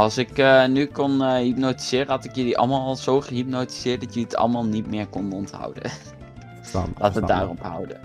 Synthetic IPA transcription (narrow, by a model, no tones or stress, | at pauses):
ɑlˠsɪkənykɔnɦip̚nowti̥z̥ɪːrəɦɑtɪkjəliʔɑ̰lˠmaːlˠlˠzowχəɦip̚noti̥z̥ɪːɹt̚dɑtjəliətɑ̰lˠmaːlˠnitmɪːɹkɔnɔntɦʌ̰wdə̰ | laːtəda̰ːrɔpɦʌ̰wdə̰